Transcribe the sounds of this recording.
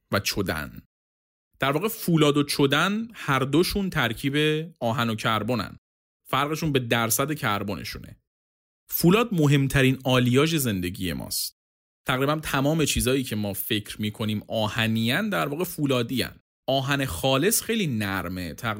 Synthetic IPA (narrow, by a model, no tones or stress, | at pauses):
væt͡ʃʰod̪æ̰n | d̪̥æɾvɒːɣe̞fuːlɒːd̪ot͡ʃʰod̪ænhæɾd̪oʃuːnt̪ʰæɾcʰiːbe̞ɒːɦæno̞cʰæɾbo̞næ̰n | fæɾɣe̞ʃuːnbe̞d̪æɾsæd̪e̞cʰæɾbo̞nʔḛʃṵne̞̰ | fuːlɒːd̪̚mo̞ɦe̞mt̪ʰæɾiːnɒːlijɒːʒe̞ze̞nd̪e̞ɟḭːje̞̰mʔɒ̰ːst̪̚ | t̪ʰæɣɾiːbænt̪ʰæmɒːme̞t͡ʃʰiːzɒːjiːcʰe̞mɒːfe̞cʰɾmiːkʰo̞niːmɒːhæniːænd̪æɾvɒːɣefuːlɒːd̪iːæ̰n | ɒːɦæne̞xɒːle̞sxe̞jliːnæɾme̞̰t̪ʰæ